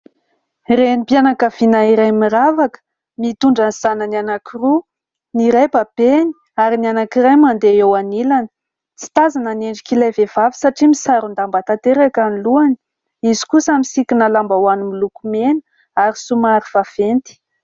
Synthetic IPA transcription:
renipjanakav̥inaiɾajmiɾavakə̥ | mit̪uɳɖ͡ʐaniz̥anənanakiru | niɾajbab̥eni̥ | aɾinianakiɾajmand̪eewanilanə̥ | t͡si̥t̪azanəneɳɖ͡ʐikilajvevavi̥saʈ͡ʂimisaɾund̪ambat̪at̪eɾakaniluani̥ | izi̥kusamisikʲinəlambawanimilukumenə̥ | aɾisumaɾiv̥av̥ent̪i̥

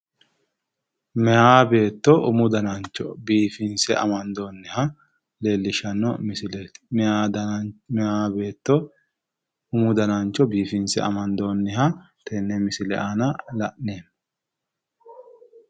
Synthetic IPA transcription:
mɛaːbe̞ːt̪ːɔʔʊmʊd̪ɐnant͡ʃːɔbiːfɪnsɛɐ̰mɐnd̪oːnːɪhɐ | leːlːɪʃɐnːɔmɪsɪlemɛaːd̪mɛaːbe̞ːt̪ːɔ | ʊmʊd̪ɐnant͡ʃːɔbiːfɪnsɛ̰ɐ̰mɐnd̪oːnːɪɦɐ | t̪ʰɛnːɛmɪsɪlɛʔaːnɐlɐ̰ʔneːn

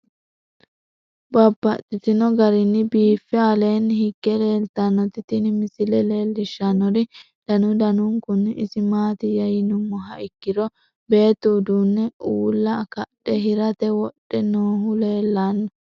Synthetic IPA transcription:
bɐbːɐt̪ʼːɪt̪ɪnɔɡɐɾɪnːɪbiːfːɛale̞ːnːhɪɡ̥ːɛle̞ːlt̪ɐnːɔt̪ɪt̪ɪnɪmɪsɪlɛle̞ːlːɪʃːɐnːɔɾɪ | d̪̥ɐnʊd̪ɐnʊŋkʊnːɪsɪmaːt̪ɪjɐjɪnʊmːɔɦɐʔɪkːɪɾɔ | be̞ːt̪ːuːd̪uːnːɛuːlːɐkɐɗɛɦɪɾɐt̪ɛwɔɗːɛnoːɦʊle̞ːlːanːɔ

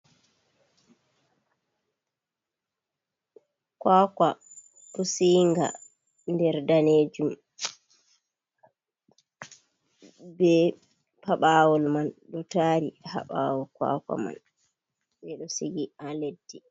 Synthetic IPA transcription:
kwaːka | ɗɔsiːŋɡa̰ | ndɛɾdaneːd͡ʒum | bɛ | paɓaːwɔlmanɗɔtaːɾiha̰ɓawɔkwa̰ːka̰ma̰n | ɓɛɗɔsiɡialedːi

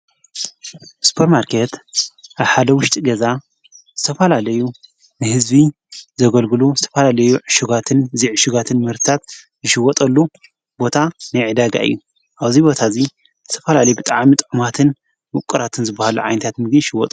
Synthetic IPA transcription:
spʰoɾmaɾkʰet̪ʔaβħad̪ɐwʊʃt̪ʼiɡɐza | zɨt̪ʰɐfɐlalɐju | nɨhɨzbi | zɐɡɐlɡɨluzɨt̪ʰɐfɐlalɐjuʕɨʃuɡat̪ʰɨnziʕɨʃɪɡat̪ʰɨnmɨhɾt̪ɨt̪ʰat̪ | zɨʃɪwːɔt̪ʼɐlːu | bo̞t̪ʰanajʕɨd̪aɡa̰ʔɨ̰jːu | ʔaβzibo̞t̪ʰazi | zɨt̪ʰɐfɐlalɐjubɨt̪ʼaʕmit̪ʼʕumat̪ʰɨn | wʊkʼːɨɾat̪ʰɨnzɨbːahaluʕa̰jnɐt̪ʰat̪mɨɡniʃɪwːɔt̪ʼu

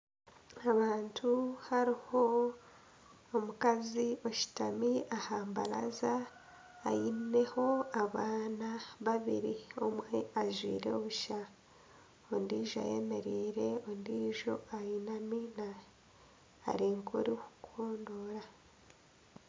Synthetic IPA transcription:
aβaːntʰuhaɾiho̞ | mukazio̞ʃi̥tamiahaːmba̰la̰zaː | jine̞ho̞aβaːnaβaβḭɾio̞̰mweaʒwḭːɾeoβuʃa | ondiːʒoa̰jḛme̞ɾiːɾe̞ondiːʒo̞̰ajinamina | ɾiːŋkʰo̰ɾiku̥kʰoːndo̞ːɾa

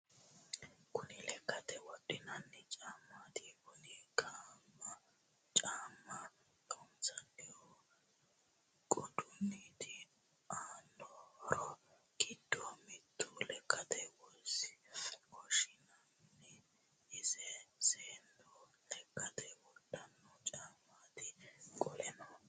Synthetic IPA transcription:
kʊnɪlɛkːɐt̪ɛwɔɗʼɪnɐnːɛt͡ʃʼaːmːat̪ɪkʊnɪkʼaːmːɐ | t͡ʃʼaːmːɐ | ɔnt͡sɐnɪjɔ | ɡʼɔd̪ʊnːit̪ɪ | aːndɔɾɔ | ɡ̥ɪd̪ːɔmɪt̪ːʊlɛkʼːɐt̪ɛwɔsɪkʰɔʃɪnɐmnɛ | ɪzɛseːnd̪ɔ | lɛkʼːɐt̪ɛwɔdʼːɐnːɔt͡ʃʼaːmːaːt̪ɪkʼɔlɛnɔ

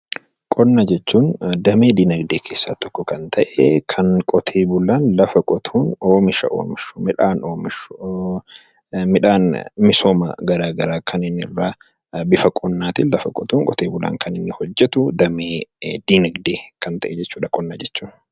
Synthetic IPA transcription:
kʼɔnːɐd͡ʒɛt͡ʃːuːnd̪ɐmeːd̪iːnɐɡd̪eːkʰe̞ːsːa̰ːt̪ɔ̥kːɔkɐnt̪ʰɐʔɛkʰɐnkʼɔt̪ʰeːbʊlaːnlɐfɐkʼɔt̪ʰuːno̞ːmɪʃɐ̰ʔo̰ːmɪʃʊ̥mɪᶑaːnoːmɪʃ | mɪᶑaːnmɪso̞ːmɐ̰ɡɐɾaːɡɐɾaːkʰɐnɪnːɪrːaː | bɪfɐkʼɔnːaːt̪ɪnlɐfɐkʼɔt̪uːŋkʼɔt̪ʰeːbʊla̰ːŋkʰɐnɪnːɪhɔd͡ʒːɛt̪ʊd̪ɐmeːd̪̥iːnɐɡd̪eːkɐnt̪ɐʔɛd͡ʒɛt͡ʃːuːᶑɐkʼɔnːɐd͡ʒɛt͡ʃːuːn

